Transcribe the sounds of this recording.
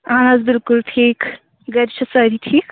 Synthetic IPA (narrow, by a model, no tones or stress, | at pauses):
anazbɪlkulʈʰiːk | ɡɐɾt͡ʃʰɐsɐɾitʰiːk